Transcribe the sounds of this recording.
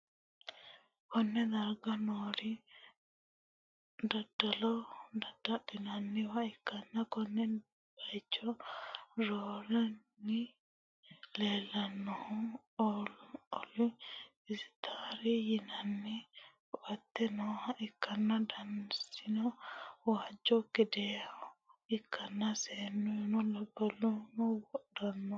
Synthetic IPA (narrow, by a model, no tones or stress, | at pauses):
kɔnːɛd̪ɐɾɡɐnoːɾɪ | d̪ɐd̪̥ːɐlɔd̪ɐd̪ːɐtːɪnɐnːɪwɐɪkːɐnːɐkɔnːɛ | bɐjt͡ʃːɔ | ɾoːlɛnːɪ | leːlːɐnːɔhʊ | ɔlʊɔlʊ | ɪsɪ̥t̪ʰaːɾɛjɪnɐnːɛkʊʔɐt̪ːɛnɔhɐʔɪkːɐnːɐd̪ɐnsɪnɔwaːd͡ʒːɔkɪd̪ɛ | ɪkːɐnːɐseːnːɔjʊnɔlɔbɔlɔnɔwɔɗɐnːɔ